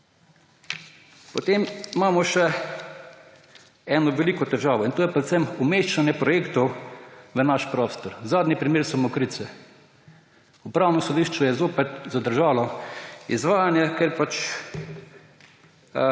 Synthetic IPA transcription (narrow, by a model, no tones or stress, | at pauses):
pot̪eːmmaːmɔʃɛ | ɛːnɔʋɛliːkɔt̪ɛʒaːʋɔint̪oːjɛpɾɛt̪sɛmumeːʃt͡ʃanjɛpɾɔjeːkt̪ɔwʋənaʃpɾɔst̪ɔɾzaːd̪nipɾimeːɾsɔmɔkɾit̪sɛ | upɾaːwnɔsɔd̪iʃt͡ʃujɛzoːpɛt̪zad̪əɾʒaːlɔizʋaːjanjɛkɛɾpat͡ʃ